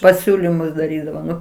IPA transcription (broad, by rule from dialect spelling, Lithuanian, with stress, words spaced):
pɐˈsʲuːlʲɪmʊs dɐˈrʲiːdɐʋoː ˈnʊ